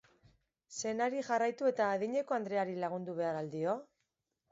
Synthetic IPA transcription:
se̞naɾiʝarajt̪ue̞t̪aːðiɲe̞ko̞and̪ɾe̞aɾilaɣ̞und̪uβ̞e̞aɾald̪io̞

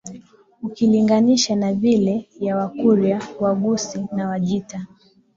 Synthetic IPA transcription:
ukiliŋɡaniʃanavilɛjawakuɾjawaɠusinawaʄita

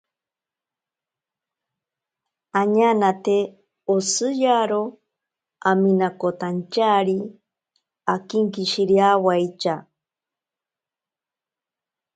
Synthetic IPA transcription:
aɲanat̪e | osɨjaɾo | aminakot̪ant͡ʃaɾi | akiŋkiʃiɾiawajt͡ʃa

